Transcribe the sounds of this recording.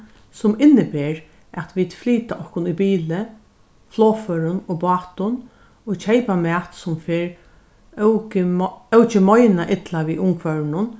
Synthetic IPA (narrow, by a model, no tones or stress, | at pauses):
sʊmɪnːɪbeːɾ | ɛt̪ʋiːd̪fliːt̪aʔɔhkʊnibiːlɪ | floːfœːɾʊnɔɣbɑːt̪ʊn | ɔt͡ɕʰejpamɛːt̪sʊmfeːɾ | kɪœwt͡ʃɪmɔjnaʔɪt̪laʋiʔʊŋkʰvœɹnʊn